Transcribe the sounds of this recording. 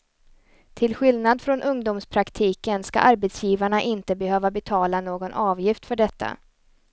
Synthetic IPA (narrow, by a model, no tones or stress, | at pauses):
t̪ʰɪlɧɪlnad̪fɾɔnʔɵŋd̪ʊːmspʰɾakt̪ʰiːkənska̰ʔaɾbɛt̪sjiːvaɳaʔɪnt̪əbɛhøːvabɛt̪ʰɑːlanoːɡɔnʔɑːvjɪft̪fœɖɛt̪ʰːa̰